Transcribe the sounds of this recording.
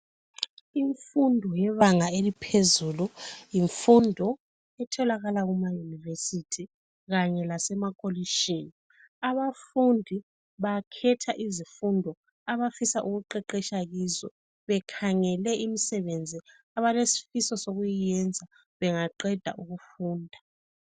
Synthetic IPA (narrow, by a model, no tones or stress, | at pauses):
iɱfundʱɔjɛβaŋaelipʰezulujiɱfundʱɔ | ɛtʰɔlaɣalaɣumajunivesitʰi | ɣaɲɛlasɛmakʼoliʃeni | aβafundʱi | βakʰɛtʰaʔizifundʱɔ | aβafisaʔuɣuǃɛǃɛʃaɣiːzɔ̰ | βɛkʰaŋɛlɛʔimisɛβend͡zʱi | aβalesi̥fisɔsoɣujijɛnd͡zʱa | βɛŋaǃɛd̥ʱa̰ʔuɣufuːndʱa